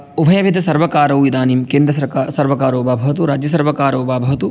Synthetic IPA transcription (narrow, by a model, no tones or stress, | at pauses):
ubʱɐjɐʋʱid̪ʱɐsɐɾʋɐkaːɾɐwid̪aːniːmkeːnd̪ɾɐsɐɾkasɐɾʋɐkaːɾɐːbaːbʱɐʋɐt̪uɾaːd͡ʒjɐs̬ɐɾʋɐkaːɾɐwbaːbʱɐʋɐt̪u